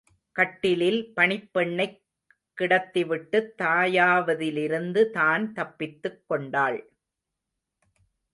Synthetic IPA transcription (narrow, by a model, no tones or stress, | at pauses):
kɐʈːɪlɪlpɐɳɪpːɛɳːɐɪkː | ɪɽɐt̪ːɪʋɪʈːɯt̪ːaːjaːʋɐðɪlɪɾɯnd̪ɯt̪aːnt̪ɐpːɪt̪ːɯkːɔɳɖaːɭ